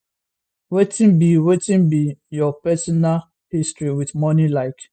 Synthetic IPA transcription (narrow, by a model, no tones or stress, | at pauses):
wetĩnbiwetĩnbijɔpɛsɔnal | histɹiwidmɔnilaɪk